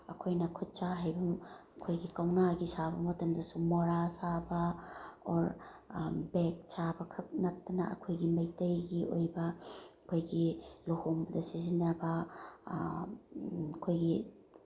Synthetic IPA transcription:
ɐkʰojnɐkʰut̚t͡ʃaɦajbumɐkʰojɡikawnaɡisabɐmɐtɐmdɐsumoɾasabɐɔɾ | bek̚sabɐkʰɐk̚nɐt̚tːɐnɐ̰ɐ̰kʰojɡimɐjtɐjɡiʔo̰jbɐkʰojɡilohoŋbɐdɐsizinːɐbɐ | ɐkʰojɡi

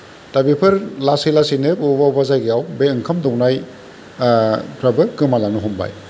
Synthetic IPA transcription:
tabipʰɯɾlasilasinɯpubawbazajɡiawbeɯŋkʰɐmdɔwnaj | pʰɾabɯkːɯmalanuɦɔmba̰j

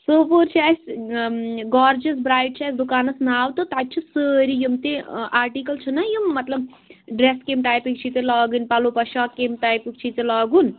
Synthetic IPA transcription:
soːpoɾt͡ʃʰiɛsʲ | ɡɔːɾd͡ʒɐsbɾaːjʈ̚t͡ʃʰiɛsd̪ukaːnɐsnaːwt̪ɨt̪at̪̚t͡ʃʰusəɾijumt̪eaːɾʈikɐlt͡ʃʰunɐjumːɐt̪lɐb | ɖɾeskemʈajpik̚t͡ʃʰit̪elaːɡɨnpalopɐʃaːkːemʈajpik̚t͡ʃʰit̪elɔːɡun

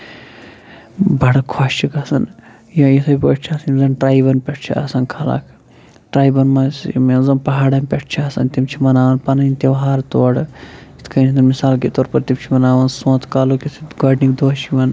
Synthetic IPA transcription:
bɐɽɐkʰaːʃt͡ʃʰikɐsɐn | jãːjisʰɐpoʈt͡ʃʰasɐnzɐnʈɾaːibɐnpʲeʈʰt͡ʃʰḭa̰ːsɐnkʰaːla̰ːkʰ | ʈɾaːjbɐnmaːsmezɐnpɐɦaːɽɐmpʲeʈʰt͡ʃʰiaːsɐ̰nt̪imt͡ʃʰimɐnaːʋɐnpɐnɐint̪eʋɦaːɾt̪oːɽit̪ʰkʰɐnit̪ʰɐnmisaːlket̪oːɾpɐɾt̪imt͡ʃʰimɐnaːʋɐnsõːt̪ʰkaːlokisʰiɡaːɖnikd̪oːʃiʋɐn

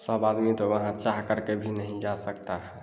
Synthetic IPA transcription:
səbad̪mit̪oəɦãt͡ʃaɦkəɾkebʱinəɦĩd͡ʒasəkt̪aɦɛ

